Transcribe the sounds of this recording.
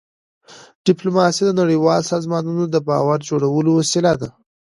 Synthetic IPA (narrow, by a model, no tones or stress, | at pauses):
ɖ̥ɪplomɑsid̪ənaɽəjwɑlsɑzmɑnunod̪əbɑwaɾd͡ʒoɽawəloasɪlad̪a